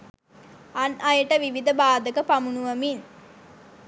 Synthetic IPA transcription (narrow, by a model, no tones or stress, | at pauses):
ɐnɐjəʈəʋiʋid̪əbaːd̪əkəpamunuʋɐmin